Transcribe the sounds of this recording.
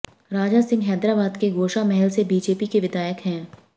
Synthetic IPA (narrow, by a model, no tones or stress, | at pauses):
ɾaːd͡ʒasɪ̃ŋɡɦɛːd̪ɾaːbaːd̪keɡoːʃamɛɦəlsebiːd͡ʒeːpikeʋɪd̪aːjəkɦɛ̃ː